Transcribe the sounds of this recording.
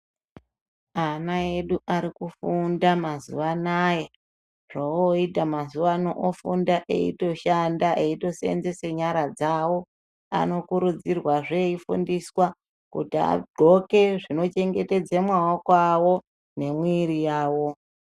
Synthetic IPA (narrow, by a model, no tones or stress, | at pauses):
anae̞ɗuʔaɾikufundamazṵʋanaje | ʐ̥ooitamazuʋanoʔːfundaʔḛḭto̞ʃandaʔeito̞sḛnzeseɲaɾad͡zawo̞ | a̰no̞kuɾud͡zirwaʐeifṵndiswa | kṵtia̰ɡ͡ǃʱo̞ke̞ʐino̞t͡ʃe̞ŋɡe̞te̞d͡zemwawokwawo̞ | ne̞mwiɾijaːwo̞